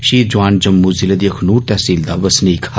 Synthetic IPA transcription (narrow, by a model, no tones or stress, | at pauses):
ʃiːd͡ʒuʋaːnd͡ʒɐmːuzilɐd̪jɐkʰnuːɾt̪ɛːsiːld̪aʋɐsniːkʰa